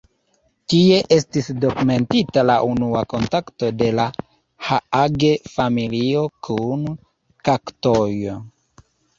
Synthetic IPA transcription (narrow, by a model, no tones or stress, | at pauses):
kie̞ʔe̞stisdo̞kume̞ntitalaʔunuako̞ntakto̞de̞la | haaɡe̞familio̞kʰun | kaktojo